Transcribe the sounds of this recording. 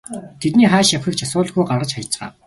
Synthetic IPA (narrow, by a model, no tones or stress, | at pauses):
t̪ʰet̪niːχæːʃjawxĭk̚t͡ɕʰasʊːɮə̆xujɢarʁə̆t͡ɕχaj̆t͡sʁa̰ː